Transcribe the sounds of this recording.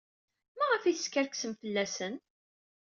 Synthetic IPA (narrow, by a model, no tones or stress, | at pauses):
mæʁəfiθəskəɾksəmfəlːæsən